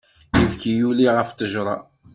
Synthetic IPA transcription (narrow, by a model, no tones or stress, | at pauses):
jivkijuliʁəft̪əʒɾˤɑ̰